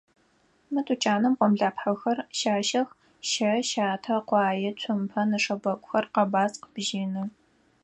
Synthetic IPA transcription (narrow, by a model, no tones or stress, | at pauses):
mɨtʰʼut͡ʃʼaːnɨmqʷɔmɮaːpħɐxɐrʃaːʃɐx | ʃɐʃaːtʰɐqʷɑːjɛt͡sʷʰʊmpʰɐnɨʂɐbɐkʷʼʊxɐrqɐbaːsqəb̥ʒiːnɨ